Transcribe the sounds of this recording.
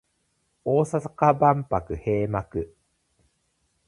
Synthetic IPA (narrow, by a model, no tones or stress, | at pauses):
o̞ːsasḁkabãmpakɯ̟he̞ːmakɯ̟